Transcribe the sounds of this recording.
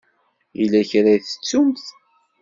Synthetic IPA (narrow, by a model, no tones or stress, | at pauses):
ilæçɾæjθə̥t͡sːumθ